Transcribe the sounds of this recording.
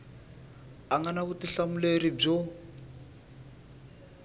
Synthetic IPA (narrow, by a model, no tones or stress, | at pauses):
aŋɡanakutiɬamuleɾib͡ʐɔ